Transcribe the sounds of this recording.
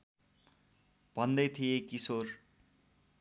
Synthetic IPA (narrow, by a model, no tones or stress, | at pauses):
b̥ʱʌnd̪ʌjt̪ʰijekisor